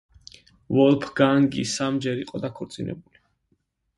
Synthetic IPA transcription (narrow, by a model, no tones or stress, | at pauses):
vɔlˠpʰɡaŋɡḭsamd͡ʒɛɾiqʼɔd̪akʰɔɾt̪sʼinɛ̰buli